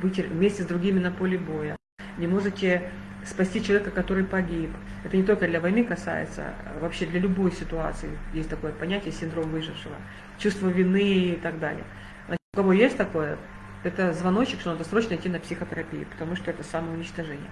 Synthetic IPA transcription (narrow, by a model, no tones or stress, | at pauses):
bɨtʲɪvmʲesʲtʲɪzd̪ɾʊɡʲimʲɪnɐpolʲɪbo̞jə | nʲɪmo̞ʐɨtʲːɪ | spɐsʲtʲit͡ɕɪlˠɐvʲekəkɐt̪o̞ɾɨjpɐɡʲip | ɛt̪ənʲɪt̪o̞lʲkəd̪lʲɐvɐjmʲɨkɐsa̰jɪ̰t̪sə̰vɐpɕːe̞d̪lʲɐlʲʊbo̞jsʲɪt̪ʊa̰t̪sɨɪjesʲtʲt̪ɐko̞jəpɐnʲætʲɪjəsʲɪnd̪ɾo̞mvɨʐɨfʂɨvə̰ | t͡ɕust̪vəvʲɪnɨːt̪aɡd̪a̰lʲɪ̰jə | znat͡ɕɪ̥t̪ʊkɐvo̞jesʲtʲt̪ɐko̞jə | ɛt̪əzvɐno̞t͡ɕːɪkt̪onad̪ɐsɾo̞t͡ɕnəɪtʲːinəpsʲɪxət̪əɾɐpʲijɪ̰pə̥t̪ɐmuʂt̪o̞ɛt̪əsaməʊnʲɪt͡ɕt̪ɐʐɛnʲɪ̰jə